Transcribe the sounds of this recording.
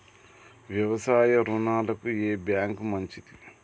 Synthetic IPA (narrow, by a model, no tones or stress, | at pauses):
ʋjɐʋɐsaːjɐɾunaːlɐkueːbjaːŋkmɐɲt͡ʃid̪i